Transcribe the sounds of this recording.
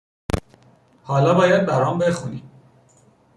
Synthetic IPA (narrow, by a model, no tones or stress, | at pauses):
hɒːlɒːbɒːjæd̪̚bæɾɒːmbexunḭ